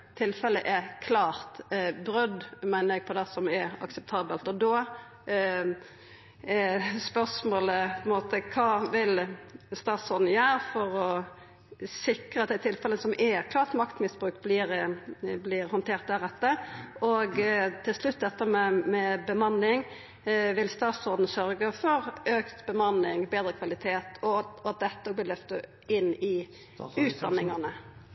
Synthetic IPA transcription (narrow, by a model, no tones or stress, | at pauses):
t̪ʰːɪlfɛlːəʔɛkʰlɑːɾt̪bɾœd̪mæɪnəɾɛɡ̚pʰɔd̪ɛsɔmɛɑ̰ksɛp̚t̪ʰɑːbəlt̪ɔd̪ɔ | spœsmoːləpʰɔɛɪnmoːt̪əkʰɑːʋɪlst̪ɑːt̪sɔnn̩jøːɾfɔɾɔ | sɪkɾəɑt̪̚d̪ɛɪt̪ʰɪlfɛləsɔmɛkʰlɑːʁt̪mɑkt̪mɪsbʁʉːkt̪blɪɾblɪɾhɔnt̪ʰeːɾt̪̚d̪æɾɛt̪ːəɔɡt̪ʰɪlʂlʉt̪̚ːd̪ɛt̪ːəmɛmɛbəmɑnɪŋ | ʋɪlst̪ɑːt̪sɔɾd̪n̩sœɾɡəfɔɾøːkt̪bəmɑnːɪŋbeːd̪ɾəkʰʋɑlɪt̪ʰeːt̪ʰɔɑt̪̚d̪ɛt̪ːəɔblɪlœft̪ə | ɪnːɪ | ʉːt̪̚d̪ɑnːɪŋɑnə